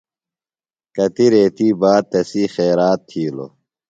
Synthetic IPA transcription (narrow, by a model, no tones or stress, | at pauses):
kɐt̪iɾeːt̪iːbaːd̪̚t̪ɐsiːxeːɾaːt̪ʰːiːlo̰